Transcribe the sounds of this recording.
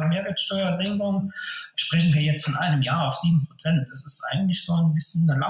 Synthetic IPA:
meːɐvɛɐtʃtɔʏɐzɛŋkʊŋəʃpʁ̥ɛçn̩viːɐjɛt͡stfɔnʔaɪnəmjaːɐaʊfz̥iːbm̩pʁ̥ot͡sɛntd̥asɪstʔa̰ɪɡŋ̩tlɪçz̥oːnbɪsçənːəla

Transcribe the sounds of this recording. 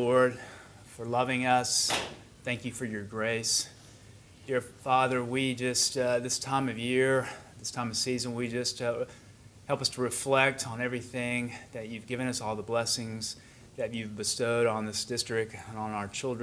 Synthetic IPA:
ɔɹd̥̚ | fə˞lʌvɪ̃ŋʌs | θæ̃ŋkjɨfə˞jə˞ɡɹeɪs | d̥ɪɹfɑðə˞wid͡ʒʌstðɪstʰãɪ̃mʌvjɪɹðɪstʰãɪ̃mʌv̥sizə̃nwid͡ʒʌst | hɛlˠpʌstʰəɹɨflɛk̚tn̩ɛvɹiθɪ̃ŋðɨt͡ʃʉvɡɪvɨ̃ñʌsɔlˠðəblɛsɪ̃ŋz | ðɨt͡ʃʉvbɨstoʊɾn̩ðɪsd̥ɪstɹ̥ɪk̚tə̃ñnaʊə˞t͡ʃʰɪlˠd

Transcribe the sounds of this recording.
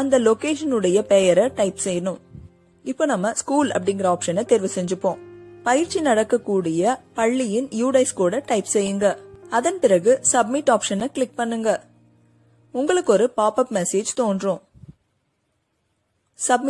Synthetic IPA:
ɐnd̪ɐlɔkeːʂɐnɯɽɐjɐpejɐɾɐʈɐɪpsɛjɳɯm | ɪpːoːnɐmːɐskuːlɐ̰pːɐɽɪŋɡɪɾɐaːpʂɐnɐt̪ɛɾɪʋɐsɛɲd͡ʒɯpːõːpɐjɪɾt͡ʃːinɐɽɐkːɐkːuːɽɪjɐpɐɭːɪjɪnjuːɽɐɪskuːɽɐʈɐɪpsɛjːɯŋɡɐɐðɐnpɪɾɐɣɯsɐb̚mɪʈːaːpʂɐnɐkɭɪk̚pɐɳːɯŋɡɐ | ʊŋɡɐɭɯkːɔɾɯpaːpɐpmɛseːd͡ʒt̪oːndrõː | sɐbm

